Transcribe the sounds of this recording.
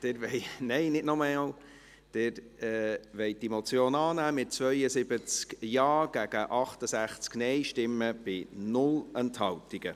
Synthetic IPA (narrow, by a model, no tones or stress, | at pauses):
d̥ɪɾʋɛɪnɛɪnɪtnɔɾmɑːl | d̥ɪɾ | ɛʋɛɪdimot͡sjoːnɑːnæːmɪt̚t͡svœʏəsɪbət͡skjɑːɡ̥æɡ̥əʔɑχtəsæχt͡sknɛɪʃtɪmːəb̥ɪnʊlɛnthɑltiɡ̥ə